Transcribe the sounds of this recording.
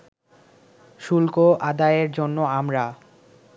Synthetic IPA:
ʃulkoʔad̪aeɾd͡ʑonːoamɾa

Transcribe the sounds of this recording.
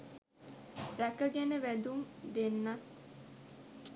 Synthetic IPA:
ɾækəɡænəʋæd̪umd̪enːat̪

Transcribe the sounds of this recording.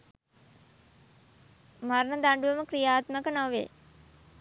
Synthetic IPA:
maɾnəd̪aɳɖuʋəməkɾijaːt̪məkənoʋḛː

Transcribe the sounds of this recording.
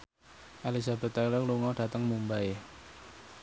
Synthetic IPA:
ʔalizabɛ̤t̪alɔkluŋɔɖ̥ä̤t̪əŋmumbae

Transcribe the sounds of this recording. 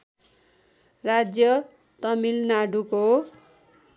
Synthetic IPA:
rad͡zjʌ | t̪ʌmilnaɖuko

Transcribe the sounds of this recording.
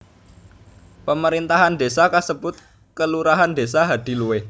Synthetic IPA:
pəməɾint̪aɦand̪esakasəbʊt̪̚ | kəluɾaɦand̪e̤saɦad̪̥i̤luwe

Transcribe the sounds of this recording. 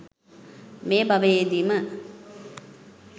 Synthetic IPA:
meːbɐʋed̪imɐ

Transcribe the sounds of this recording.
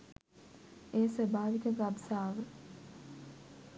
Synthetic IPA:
eːsɐbaːʋikɐɡabsaːʋə

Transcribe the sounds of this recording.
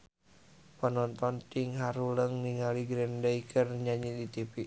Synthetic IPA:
pənɔnt̪ɔnt̪iŋɦaɾuləŋniŋaliɡɾɛndaikʰərɲaɲidit̪ipiʔ

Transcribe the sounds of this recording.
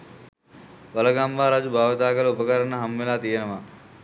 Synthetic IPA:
ʋɐlɐɡambaːɾad͡ʒubʱaːʋɐt̪aːɡələupəkəɾənəɦamʋelaːt̪ijenəʋaː

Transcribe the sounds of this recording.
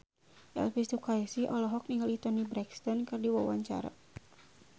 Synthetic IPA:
ʔa̰lfist̪ukaɛsihʔɔlɔɦɔk̚niŋalit̪ɔnibɾɛkst̪ɔnkɨrdiwawaɲt͡ʃa̰ɾa̰

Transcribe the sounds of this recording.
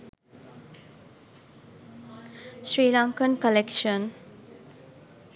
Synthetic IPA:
ʃɾiːlaŋkənkəlekʃən

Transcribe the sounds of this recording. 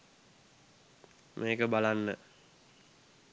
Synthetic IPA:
mʔeːkəbalanːə

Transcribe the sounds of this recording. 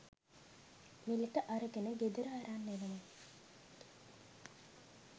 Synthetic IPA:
milikəʔaɾəɡenəɡed̪əɾəaɾaːnːeʋənə

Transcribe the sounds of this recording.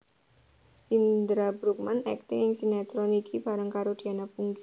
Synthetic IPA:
ʔind̪ɾabɾuk̚manɛ̰k̚t̪ɪŋɪŋsinat̪ɾɔnikʰib̥a̤ɾəŋkaɾod̥̪i̤anapuŋɡi

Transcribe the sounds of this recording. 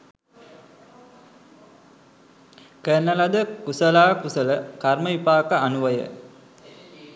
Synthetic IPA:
kənːəlad̪əkusəlaːkusələkarməipaːkəanuʋəjə̰

